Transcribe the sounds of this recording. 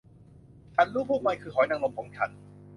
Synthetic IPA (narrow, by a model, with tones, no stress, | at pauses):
t͡ɕʰa˧˥nɾuː˥˩pʰuː˥˩ma˧jkʰɯː˧hʰɔː˩˦jna˧ŋlo˧mkʰɔː˩˦ŋt͡ɕʰa˧n